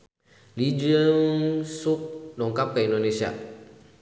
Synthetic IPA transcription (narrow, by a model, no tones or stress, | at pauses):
lid͡ʒəŋsup̚dɔŋkap̚kaindonesia̰